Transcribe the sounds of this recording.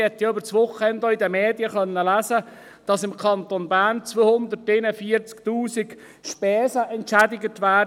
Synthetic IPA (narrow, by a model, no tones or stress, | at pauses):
ɛt̪jɑʏbəɾt͡sʋoχɛnd̪oidəmeːdjəχœnːəlæːsə | d̥ɑsɪmkʰɑnt̪onbæːɾnt͡sʋoːhʊnd̪ərtenəfiːəɾt͡sktuːsik | ʃpɛːsəʔɛntʃædɪɡət̪ʋæː